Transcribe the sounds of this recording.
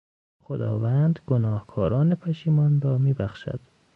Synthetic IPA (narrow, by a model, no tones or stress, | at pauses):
xod̪ɒ̰ːvænd̪ɡonɒːhkʰɒːɾɒːnepʰæʃiːmɒːnɾɒːmiːbæxʃæ̰d̪̥